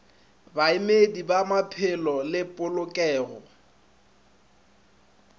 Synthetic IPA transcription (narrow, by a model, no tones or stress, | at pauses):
baɪmedibamapʰɪlɔlɪpʼʊlʊkʼɛːɣɔ